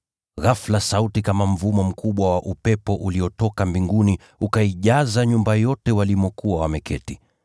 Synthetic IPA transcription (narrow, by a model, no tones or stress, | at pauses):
ɣaflasautikamam̩vumɔm̩kʰuɓwawaʔupɛpɔʔuliɔtɔkambiŋɡuni | ukaiʄazaɲumbajɔtɛwalimɔkuwawamɛkɛti